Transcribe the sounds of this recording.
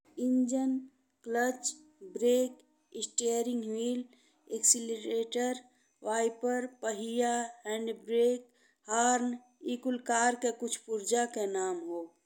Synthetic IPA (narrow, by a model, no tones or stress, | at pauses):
ɪɲd͡ʒən | klət͡ʃ | bɾeːk | ɪsʈeːɾɪ̃ŋɡwiːl | eksiliɾeːʈəɾ | ʋaːɪpəɾpəɦijaɦɛ̃ːɳɖbɾeːk̚ | haːɾn | iːkʊlkaːɾkekʊt͡ʃʰpʊɾd͡ʒakenaːmɦoː